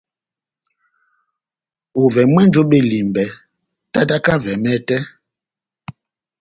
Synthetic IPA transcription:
o˨vɛ˨mwɛ˦nd͡ʒo˨˦ɓe˨li˨mbɛ˨ | ta˦ta˦ka˦vɛ˨mɛ˦tɛ˦

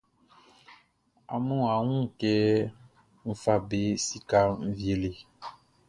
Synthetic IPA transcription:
a̰˨mũ˦a˨ŋũ˦˨kɛ˦ | m̩˦fa˦be˦si˦ka˦m̩˦vi˦e˨le˨

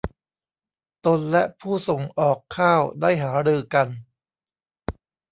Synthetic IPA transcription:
t̪o˧nlɛ˦˥ʔpʰuː˥˩so˨˩ŋʔɔː˨˩kʰːaː˥˩wdaː˥˩jɦaː˩˦ɾɯː˧ka˧n

